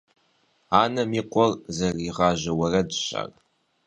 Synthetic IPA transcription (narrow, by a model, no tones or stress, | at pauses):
aːnɐmiːqʷɔrzɐriʁaːʒɐwɐrɐdɕa̰ːr